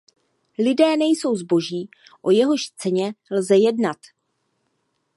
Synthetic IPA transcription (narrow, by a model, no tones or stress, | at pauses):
lɪdɛːnɛjso̞wzbo̞ʒiː | ʔo̞jɛɦo̞ʃt͡sɛɲɛlzɛjɛdnat̪